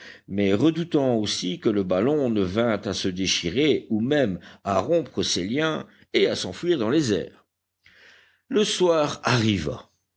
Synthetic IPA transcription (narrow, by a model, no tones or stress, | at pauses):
mɛʁəd̪ut̪ɑ̃osikələbalɔ̃nəvɛ̃t̪asəd̪eʃiʁeumɛmaʁɔ̃pχəseljɛ̃ | easɑ̃fɥiʁd̪ɑ̃lezɛ̰ːʁ | ləswaːʁaʁiva̰